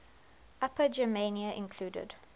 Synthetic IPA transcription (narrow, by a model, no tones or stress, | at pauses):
ʔapəd͡ʒəmẽniəʔɪ̰̃nkʰl̥uːdə̰d̥